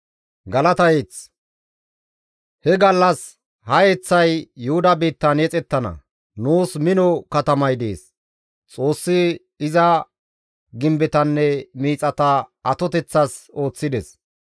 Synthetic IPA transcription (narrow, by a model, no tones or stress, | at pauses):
ɡɐlɐt̪ɐjet͡s | hɛɡɐlːɐs | hɐjɛt͡sːɐjːʊhʊd̪ɐbiːt̪ːɐnɛt͡sʼɛt̪ːɐnɐ̰ | nuːsmɪnɔkɐt̪ɐmɐjd̪ḛːs | t͡sʼo̞ːsːɪ | ɪzɐ | ɡɪmbɛt̪ɐnːɛmiːt͡sʼɐt̪ɐɐt̪ɔt̪ɛt͡sːɐso̞ːt͡sːɪd̪ɛs